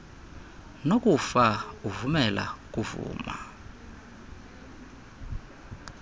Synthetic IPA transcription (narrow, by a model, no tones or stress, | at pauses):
nokʼufauvumɛla̰k̬ʼuvṵːma